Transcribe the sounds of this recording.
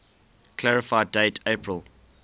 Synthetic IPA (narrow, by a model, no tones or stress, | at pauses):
kʰlæɹɪfaɪdeɪtʰepʰɹəlˠ